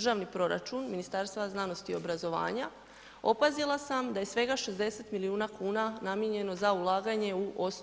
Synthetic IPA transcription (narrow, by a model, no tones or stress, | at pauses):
ʒaʋnipɾo̞ɾa̰t͡ʃunminist̪aɾst̪aʋaznano̞st̪io̞bɾazo̞ʋa̰ːɲa | o̞pazilˠasamd̪ajesʋe̞ɡaʃe̞zd̪e̞se̞t̪miliuːnakʰuːnanamje̞ɲe̞no̞zaulˠaːɡaɲe̞uʔos